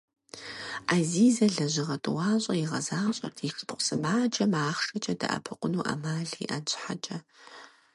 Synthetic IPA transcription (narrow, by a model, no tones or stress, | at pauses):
ʔaziːzɐɮɐʑɪʁɐtʼɨwɑːɕʼɐjɪʁɐzaːɕʼɐ̰rtʰiɬʼɨ̥pqʷsɨmaːd͡ʒʼɐmaːχʂɐt͡ʃʼɐdɐ̰ʔɐ̰pʰɨqʷʼʊnuːʔɐ̰maːɮḭʔɐt͡ʃʰʼħat͡ʃʼɐ